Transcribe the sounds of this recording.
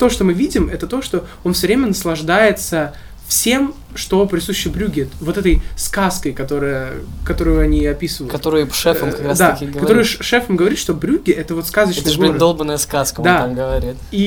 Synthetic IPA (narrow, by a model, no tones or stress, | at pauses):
t̪o̞ʂt̪o̞mɨvʲidʲɪmɛt̪ət̪o̞ʂt̪o̞ | onfsʲəvɾʲemʲənəslˠɐʐd̪ajɪt̪sə | fsʲe̞m | ʂt̪o̞pɾʲɪsuɕːɪbɾʲuɡʲɪvo̞t̪ɛt̪əjskaskəjkɐt̪o̞ɾɨjəkɐt̪o̞ɾʊjʊɐnʲiɐpʲisɨvəjːɐt̪oɾɨjpʂɛfəmkɐkɾad̪akʲiɡkɐt̪oɾʊjʊʂʂɛfəmɡəvɐɾit̪ʂt̪o̞bɾʲuɡʲɪʔɛt̪əvo̞t̪skazət͡ɕnɡʲdolˠbnːəjəskaskədd̪amɡəvɐɾʲit̪i